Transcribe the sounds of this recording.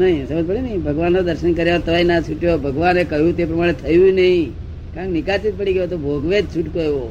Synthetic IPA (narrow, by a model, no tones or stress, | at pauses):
nəɦĩsəbəd̪̚pəɽinəɦĩbʱəɡʋanːod̪əɾʃənkəɾjaət̪əʋainat͡ʃʰuʈjobʱəɡʋanekəɦjũt̪epɾəmaɽ̃et̪ʰəjũnəɦĩ | kãknikat͡ʃit̪̚pəɽiɡəjot̪obʱoɡʋed͡ʒt͡ʃʰuʈkoeʋo